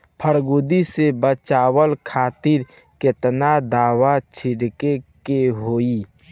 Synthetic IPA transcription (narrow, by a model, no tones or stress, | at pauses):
pʰəɾɡud̪isebət͡ʃaːwəlkʰaːt̪ɪɾ | kɪt̪nad̪aːwat͡ʃʰɪɽkekeɦoːi